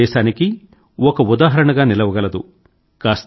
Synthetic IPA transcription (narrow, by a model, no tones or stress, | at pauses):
ɛːʃaːniki | ɔkɐud̪aːɦɐɾɐɳɐɡaːnilɐʋɐɡɐlɐd̪u | kaːst̪